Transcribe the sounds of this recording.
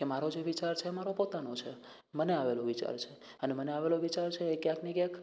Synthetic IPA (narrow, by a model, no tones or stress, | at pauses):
kemaɾod͡ʒeʋit͡ʃaɾt͡ʃʰemaɾopot̪anot͡ʃʰe | məneaʋeloʋit͡ʃa̰ɾt͡ʃʰe | əneməneaʋeloʋit͡ʃaɾt͡ʃʰeːkjãknekjãk